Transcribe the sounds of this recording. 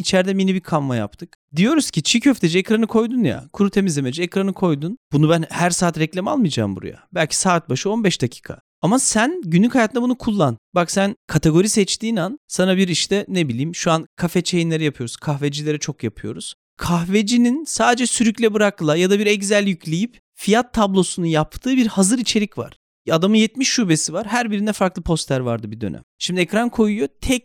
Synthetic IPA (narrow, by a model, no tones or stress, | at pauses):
it͡ʃʰɛɾd̪ɛminibikʰanvaja̰p̚t̪ʰɯk | d̪ijo̞ɾuz̥cʰit͡ʃʰicʰøft̪ʰed͡ʒɛɛkɾanɯkʰo̞jd̪unja̰kʰuɾut̪ʰe̞mizlʲemed͡ʒɛɛkɾanɯkʰo̞jd̪unb̥unubænhæɾsaːt̪ɾɛclʲama̰lˠmɯjd͡ʒa̰ːmbṵɾṵja̰bælʲcʰi̥saːt̪̚baʃɯo̞nbɛʃd̪acʰi̥ːkʰa̰ | amasænɟynlʲycʰhajat̪ɯnabunukʰulˠːanbaksænkʰat̪ʰeɡo̞ɾisɛt͡ʃt̪iːnansanabiɾiʃt̪ʰɛnebilʲiːmʃuankʰafɛt͡ʃʰejinlʲeɾɛjapʰɯjo̞ɾuzkʰaxved͡ʒilʲe̞ɾɛt͡ʃʰo̞kjapʰɯjo̞̰ɾuz̥ | kʰaxved͡ʒininsaːd̪ed͡ʒɛsyɾycʲlʲɛbɯɾaklˠajad̪abiɾɛɟzælʲjycʰlʲejip | fijat̪ʰːablˠo̞sunujapt̪ʰɯːbiɾhazɯɾit͡ʃʰe̞ɾʲicva̰ɾ̥ | ad̪amɯnjɛt̪miʃːube̞sivaɾɦæɾbiɾind̪ɛfaɾklˠɯpʰo̞st̪ʰæɾva̰ɾd̪ɯbid̪ø̞̰nʔæ̰mʃimd̪iɛcɾankʰo̞jujo̞t̪ʰɛc̚